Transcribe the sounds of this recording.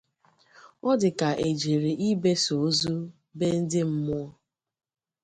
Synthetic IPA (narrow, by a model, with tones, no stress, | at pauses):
ɔ˦dɪ˨ka˨ʔe˨d͡ʒe˨ɾe˨ʔi˦be˦so˨˦zu˦ | be˦n̩˦dɪ˦m̩˦mʊ˦ɔ˦